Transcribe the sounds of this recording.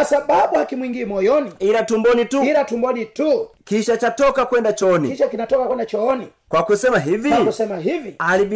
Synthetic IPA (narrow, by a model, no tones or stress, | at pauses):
asaɓaɓuhakimwiŋɡimɔjɔniilatumbɔnituilatumbɔnitukiʃat͡ʃatɔkakwɛndat͡ʃɔnikiʃakinatɔkakwɛndat͡ʃɔnikwakusɛmaɦiviakusɛmaɦivialiɓi